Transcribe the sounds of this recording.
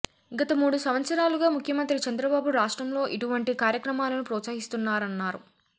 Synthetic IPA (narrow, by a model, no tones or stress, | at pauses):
ɡɐt̪ɐmuːɽusɐʋɐt̪sɐɾaːluɡaːmukʰjɐmɐnt̪ɾit͡ʃɐnd̪ɾɐbaːbuɾaːʂʈɾɐmlo̞ːʔiʈuʋɐɳʈikaːɾjɐkɾɐmaːlɐnupɾɔːt̪saːɦist̪unːaːɾɐnːaːɾu